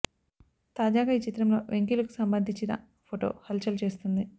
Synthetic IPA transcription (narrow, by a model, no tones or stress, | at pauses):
t̪aːd͡ʒaːɡaːit͡ʃit̪ɾɐmlo̞ːʋʔe̞ŋkilɐku̥sɐmbɐnd̪ʱiɲt͡ʃinɐ̰ | pʰoʈo̞̰ːhɐlt͡ʃɐlt͡ʃe̞ːst̪und̪i